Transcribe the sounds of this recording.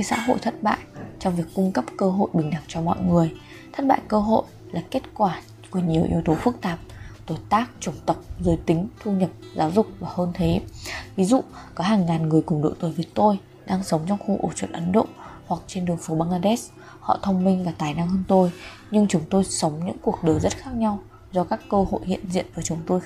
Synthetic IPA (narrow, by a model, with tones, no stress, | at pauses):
ə˨˦jsa̰ː˧˥ɦo̰˧˨jt̪ʰə˦˥t̚ɓa̰ː˧˨jt͡ɕɔ˧ŋ͡mvi˨˩əkːʊ˧ŋ͡mkə˦˥p̚kəː˧ɦo̰˧˨jɓï˨˩ŋ̟ɗa˨˩ŋt͡ɕɔ˧mɔ̰˧˨jŋɨ˨˩əj | t̪ʰə˦˥t̚ɓa̰ː˧˨jkəː˧ɦo̰˧˨j | laː˨˩ke˦˥t̚kwaː˧˩ | ku˧˩əɲi˨˩əwʔḭ˧əwt̪o˨˦fɨ˦˥k̚t̪aː˨˩p̚t̪o˧˩jt̪aː˦˥k̚t͡ɕʊ˨˧˩ŋ͡mt̪ə˨˩k͡p̚zəː˨˦jt̪ï˨˦ŋ̟t̪ʰu˧ɲə˨˩p̚zaː˨˦wzʊ˨˩k͡p̚vaː˨˩həː˧nt̪ʰe˨˦vi˨˦zṵ˧˨kɔ˨˦ɦaː˨˩ŋːaː˨˩nŋɨ˨˩əjkʊ˨˩ŋ͡mɗo̰˧˨t̪ɨ˨˩vi˨˦t̪o˧j | ɗaː˧ŋsə˨˦wŋ͡mt͡ɕɔ˧wŋ͡mxu˧ʔo̰˧˩t͡ɕwə̰˧˨nʔə˨˦nɗo̰˧˨hwa˨˩k̚t͡ɕe˧nɗɨ˨˩əŋfu˨˦ɓaː˧ŋlaː˧ɗɛ˦˥s | hɔ̰˧˨t̪ʰə˧wŋ͡mmï˧ŋ̟vaː˨˩t̪aː˨˩jna˧ŋhəː˧nt̪o˧j | ɲɨ˧ŋt͡ɕʊ˨˦ŋ͡mt̪o˧jsə˨˦wŋ͡mɲɨ̰˧˥ŋku˨˩ək̚ɗəː˨˩zə˦˥t̚xaː˦˥k̚ɲa˧w | zɔ˧kaː˦˥kːəː˧ho̰˧˨jhḭ˧˨ənzḭ˧˨ənvəː˨˩˦jt͡ɕʊ˨˦ŋ͡mt̪o˧j